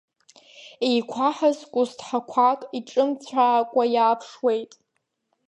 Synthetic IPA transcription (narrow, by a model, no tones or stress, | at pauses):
ejkʷʰaħazkʷʼʊstʰħakʷʰakʼiʈ͡ʂʼɨmt͡sʷʰaːkʷʼajaːpʰʂwe̞jtʼ